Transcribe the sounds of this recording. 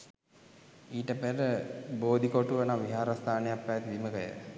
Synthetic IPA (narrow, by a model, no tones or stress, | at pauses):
iːʈəpeɾəboːd̪ʱikoʈuʋənaʋiɦaːɾast̪ʰaːnejapːæːt̪id̪iməkəjə̰